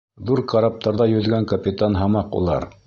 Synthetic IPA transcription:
ðuɾqɑɾɑp̚t̪ɑɾðɑjɵ̆ðɡæŋkɐpʲɪt̪anɦɑmɑqṵlˠɑ̰ɾ

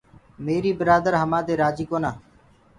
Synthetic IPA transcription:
meːɾiːbɪɾaːd̪əɾɦəmãːd̪eːɾaːd͡ʒiːkoːnaː

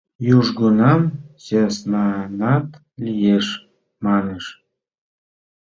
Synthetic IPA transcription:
juʒɡunɑmsɑsnɑnɑt̪ | lijeʃ | mɑneʃ

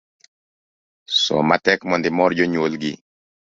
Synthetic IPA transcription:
sɔ̰matɛkmɔndimɔɾɟɔɲolɡi

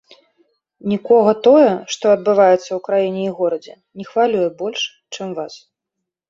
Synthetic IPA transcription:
nʲikɔɣɐt̪ɔjɛʂt̪ɔɐd̪̚bɨvajɛt̪sːɐwkɾajinʲɛiɣɔɾɐd͡zʲɛ̰ | nʲɛxvalʲujɛbɔlʲʂ | t͡ʂɨmvas

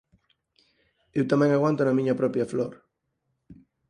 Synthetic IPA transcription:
ewt̪amẽŋaɣwãnt̪onamĩɲɐpɾɔpjafloɾ

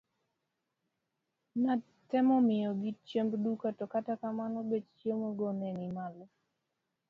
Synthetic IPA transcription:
na | tɛmɔmɪjɔɡit͡ʃembdukatɔkatakamanɔbet͡ʃt͡ʃemoɡɔnɛnimalɔ

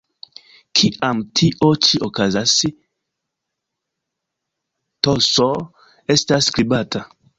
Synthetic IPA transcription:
kʰiʔamtʰiʔot͡ʃiʔokazasi | toso | estaskɾibatʰa

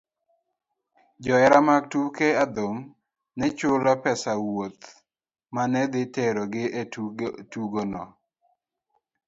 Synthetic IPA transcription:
d͡ʒɔɛɾamaɡ̚tukead̪om | nɛt͡ʃʊlapɛsawot̪ | manɛd̪ɪtɛɾɔɡɪʔetuɡonɔ̰

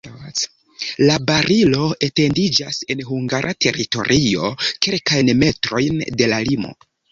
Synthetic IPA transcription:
labaɾilo̞e̞te̞ndid͡ʒase̞nɦuŋɡaɾʔatʰe̞ɾito̞̰ɾʔio̞̰ke̞lkajnme̞tɾo̞jnde̞lalimo̞̰

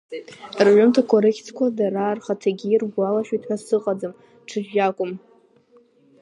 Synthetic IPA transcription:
rʕʷʊmtʰakʷʰoɾekʲt͡sʰkʷʰadaɾarχatʰaɡʲiːrɡʷalaʃᶣitʰħasɨqʼad͡zɨm | ʈ͡ʂʰɨʒakʷʼʊm

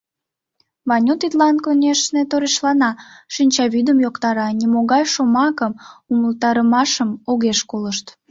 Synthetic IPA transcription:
βɑnʲut̪it̪lɑnkonʲeʃnet̪oɾeʃlɑnɑʃinʲt͡ɕɑβid̪əmjokt̪ɑɾɑnʲimoɣɑjʃomɑkəmuməlt̪ɑɾəmɑʃəmoɣeʃkoləʃt̪

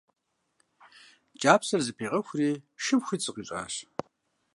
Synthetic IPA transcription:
d͡ʒʼaːpʰsɐrzɨpʰeːʁɐxʷriːʃɨpxʷiːt͡sʼɨqʼiːɕʼa̰ːɕ

